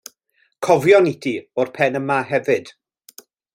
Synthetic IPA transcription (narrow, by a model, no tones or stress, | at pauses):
kʰɔvjɔnitʰiɔrpʰɛnəmaɦɛvɨd̥